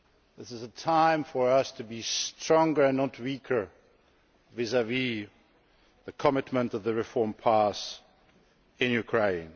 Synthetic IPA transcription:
ðɪsɨzətʰãɪ̃ɱfə˞ʌstʰɨbistɹ̥ɔ̃ŋɡə˞ɨ̃nːət̚wikʰə˞ | vɪzəvi | ðɨkʰəmɪtmə̃ntʌvðɨɹɨfɔɹmpʰæs | ɪ̃njʉkʰɹ̥ẽɪ̃n

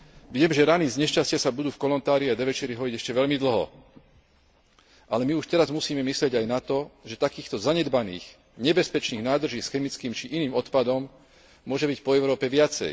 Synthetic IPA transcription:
ʋɪɛmʒɛɾanizɲɛʃt͡ʃascɪasabud̪uːfkɔlɔnt̪aːɾiad̪ɛʋɛt͡ʃɛɾiɦɔiɟɛʃcɛʋɛʎmid̪l̩ɦɔ̰ | ʔalɛmiuʃt̪ɛɾazmusiːmɛmislɪɛɟajnat̪ɔʒɛt̪akiːxt̪ɔzaɲɛd̪banḭːx | ɲɛbɛspɛt͡ʃniːɣnaːd̪r̩ʒiːsxɛmit͡skiːmt͡ʃiʔiniːmɔt̪pad̪ɔm | mʊɔʒɛbicpɔɛʊɾɔːpɛʋɪat͡sɛ̰j

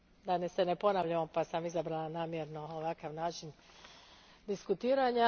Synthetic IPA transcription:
d̪anesenepo̞naʋʎamopasamizabɾalˠanaːmjeɾno̞oʋakaʋnaːt͡ʃin | d̪iskut̪iːɾaɲa

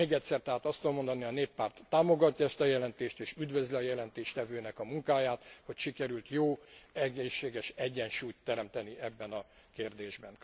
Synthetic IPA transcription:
eːɡɛt̪sɛrt̪ɛɦaːt̪ɒst̪od̪omo̞nd̪ɒniɒneːpːaːrt̪ːaːmo̞ɡɒc̪ːɒɛst̪ɒjɛlɛnt̪eːʃt̪eːʃyd̪vø̞zliɒjɛlɛnt̪eːʃt̪ɛvøːnɛkɒmuŋkaːjaːt̪ho̞cʃikɛɾylt̪joːɛɡeːʃːeːɡɛʃɛɟːɛnʃuːjt̪ːɛɾɛmt̪ɛniɛbːɛnɒ | keːrd̪eːʒbɛn

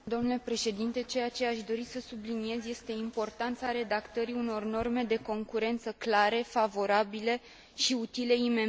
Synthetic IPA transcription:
d̪ooamnule̞pɾe̞ʃe̞d̪int̪e̞t͡ʃe̞jat͡ʃeaʃd̪o̞ɾisəsublinije̞zje̞st̪e̞impo̞rt̪ant̪saɾe̞d̪akt̪əɾiuno̞rno̞rme̞d̪e̞ko̞ŋkuɾe̞nt̪səklaɾe̞favo̞ɾabile̞ | ʃiut̪ile̞ime̞

